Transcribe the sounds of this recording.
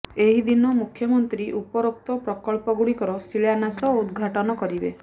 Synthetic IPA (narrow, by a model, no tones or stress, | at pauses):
eɦid̪inɔmukʰːjɔmɔnt̪ɾiʔupɔɾok̚t̪ɔpɾɔkɔɭpɔɡuɽikɔɾɔsiɭjanasɔud̪ɡʱaʈɔnɔkɔɾibḛ